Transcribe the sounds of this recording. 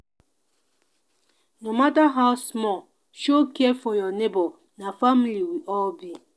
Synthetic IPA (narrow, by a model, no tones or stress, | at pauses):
nomataɦaʊsmɔ | ʃokefɔjɔnebɔ | nafamiliwiʔɔbi